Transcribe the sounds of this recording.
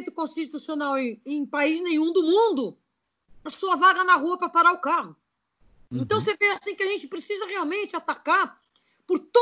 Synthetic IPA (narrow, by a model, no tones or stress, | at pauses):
jt̪ʊkõst͡ʃit̪usionawẽj̃paiznẽj̃ũd̪ʊmũnd̪ʊ | ɐsuɐvaɡɐnɐɦuɐpɾɐpaɾaʊkahʊ | ẽnt̪ɐ̃w̃seveasĩkɪɐʒẽnt͡ʃɪ̥pɾesizɐʁeawmẽnt͡ʃɪat̪akaɾ | pʊɾt̪o